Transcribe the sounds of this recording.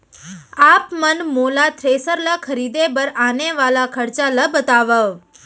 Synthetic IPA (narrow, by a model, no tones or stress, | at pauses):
apmənmolat̪ʰɾesəɾləkʰəɾid̪ebəɾaneʋalakʰəɾt͡ʃaləbət̪aʋəʋ